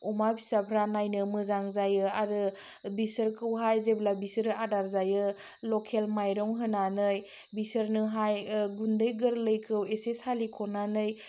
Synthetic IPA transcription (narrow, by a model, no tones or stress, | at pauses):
ɔmabʰisapʰɾanajnɯmɯzaŋzajɯaɾɯ | bisəɾkʰɯwɦajzeblabisəɾadaɾzajɯ | lɔkʰelmajɾɔŋɦɯnanɯj | bisəɾnɯɦajɡundɯjɡɯɾləjkʰɯwesesalikʰɔnanɯj